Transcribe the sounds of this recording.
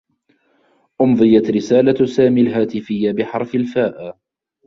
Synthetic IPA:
ʔʊmðˤɨjat̪ɾɪsaːlasaːmiːlɦaːt̪ɪfɪjːabɪħɑɾˤfalfaːʔa

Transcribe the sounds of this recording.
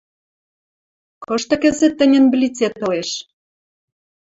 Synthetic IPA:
kɤ̆ʃt̪ɤ̆kə̆zɘ̆t̪ːə̆nʲə̆nblʲit͡set̪ːɤ̆leʃ

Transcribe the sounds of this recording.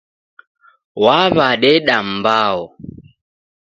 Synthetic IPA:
waβaɗɛɗambaɔ

